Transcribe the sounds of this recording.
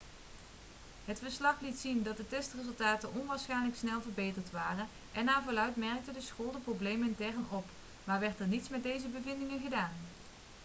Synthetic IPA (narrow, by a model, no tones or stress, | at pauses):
ɦətfəɹslɑχlitsindɑt̚dətɛstrɪzɵlˠtaːtənʔɔnʋaːɹsχɛjnləksnɛlˠvəɹbejtəɹtʋaːrən | ʔɛnːaːvʊːlœɥtmɛɹk̚tədəsxoːlˠdəprowblejməɪntɛrənɔp | maːɹʋɛɹtɛɹnitsmɛt̚dejzəbəvɪndɪŋənχədaːn